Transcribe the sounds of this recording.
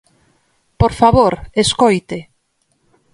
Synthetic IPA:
poɾfaβoɾeskojt̪e

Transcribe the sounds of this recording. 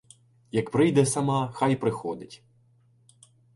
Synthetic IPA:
jɐkpɾɪjd̪ɛsɐmɑxɑjpɾɪxɔd̪ɪtʲ

